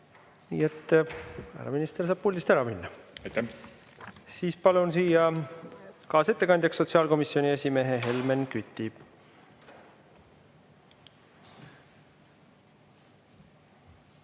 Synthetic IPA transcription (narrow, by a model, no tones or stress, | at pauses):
nḭːe̞t̪ː | æ̰ɾɑ̰minist̪ersɑːb̥̚pulʲd̪ist̪æɾɑminːɑjt̪æ | siːspɑlunsiːjɑ | kɑːse̞t̪ːe̞kɑnʲd̪̥ʲjɑksːo̞t̪siɑːlko̞misio̞nʲiesʲime̞ɦeɦe̞lmenkyt̪ːˑib̥